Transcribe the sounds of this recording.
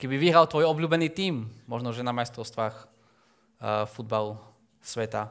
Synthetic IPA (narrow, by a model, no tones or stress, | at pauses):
kɛbiviɦɾalt̪ʋɔjɔbluːbɛniːt̪iːmːɔʒnɔʒɛnamajst̪ɾɔʊst̪ʋaːx | fud̪̚balu | sʋɛt̪a